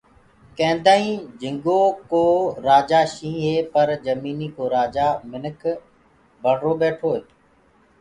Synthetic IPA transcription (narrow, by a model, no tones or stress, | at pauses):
kẽːnd̪aːĩːd͡ʒɪ̃ŋɡoːkoːɾaːd͡ʒaːʃĩːɦeːpəɾd͡ʒəmiːniːkoːɾaːd͡ʒaːmɪnəkʰ | bʱəɽ̤ɾoːbeːʈʰoːeːt̪ː